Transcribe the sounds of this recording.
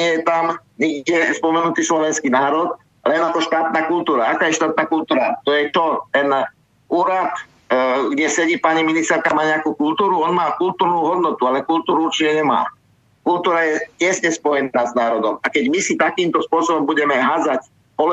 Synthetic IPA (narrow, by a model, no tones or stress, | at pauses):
ɪɛjɛt̪amɲiɡɛspɔmɛnut̪iːslɔʋɛnskinaːɾɔt̪ | lɛnakɔʃt̪aːt̪naːkult̪uːɾaakaːjɛʃt̪aːt̪̚naːkult̪uːɾat̪ɔjɛt͡ʃɔt̪ɛn | uːɾat̪ | ɡɟɛsɛɟiːpaɲiminist̪ɛɾkamaːɲɛakuːkult̪uːɾuɔnmaːkult̪uːɾnuːɦɔd̪nɔt̪ualɛkult̪uːɾuuɾt͡ʃiɲɛɲɛma̰ː | kult̪uːɾajɛcɛsɲɛspɔjɛnaːznaːɾɔd̪ɔmakɛɟmisit̪akiːmt̪ɔspʊɔsɔbɔmbuɟɛmɛɦad͡zac | pɔl